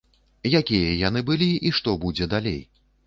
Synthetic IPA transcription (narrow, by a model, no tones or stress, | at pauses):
jakʲijɐjan̪ɨbɨlʲiʔiʂt̪ɔbud͡zʲɛd̪alʲḛj